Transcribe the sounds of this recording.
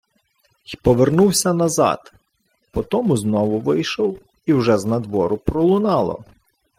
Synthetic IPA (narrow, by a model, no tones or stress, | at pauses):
pɔʋernuwsʲɐnɐzɑ̰d̪ | pɔt̪ɔmʊznɔʋʊʋɪjʃɔw | iwʒɛznɐd̪ʋɔɾʊpɾɔlˠʊnɑlˠɔ̰